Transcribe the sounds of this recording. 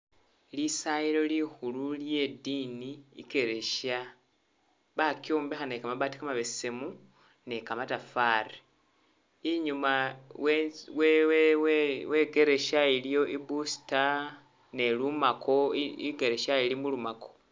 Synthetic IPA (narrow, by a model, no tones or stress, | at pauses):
lisaiɾo̞lixululje̞dinḭːke̞ɾe̞ʃa | βakjoːmbexanekamaβati̥kamaβessemu | ne̞kamatafaɾe | iɲumawewewwe̞ɡe̞ɾe̞ʃailjo̞ʔibusi̥ta | ne̞lumako̞iɡe̞ɾe̞ʃailimulumako̞̥